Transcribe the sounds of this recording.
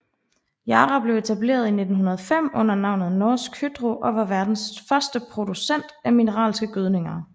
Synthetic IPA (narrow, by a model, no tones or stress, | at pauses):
jɑːʁɑb̥le̝ʊe̝t͡sʰæb̥le̝̰ːɐðˠine̝d̥n̩ɦunɐð̞ˠɐfem̰ɔ̽n̰ɐnɑ̈ʊ̰nð̩ˠnɒːsɡ̥ʰyd̥ʁoʔɒ̽ʋɑ̈ʋæɐd̥n̩sfɶɐsd̥əpʰʁo̝d̥usen̰d̥æminəʁɑ̰̈ːlsɡ̥əɡ̥øð̞ˠne̝ŋɐ